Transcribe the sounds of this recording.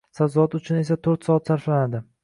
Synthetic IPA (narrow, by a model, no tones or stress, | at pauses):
sazɒat̪ʊt͡ʃʰʊne̞sat̪ʰoɾt̪sɒat̪saɾflanad̪ɪ